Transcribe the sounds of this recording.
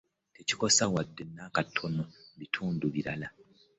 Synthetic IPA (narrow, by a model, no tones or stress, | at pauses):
te̞ci̥ko̞sawadːe̞nakatʰo̞noβitʰuːnduβiɾala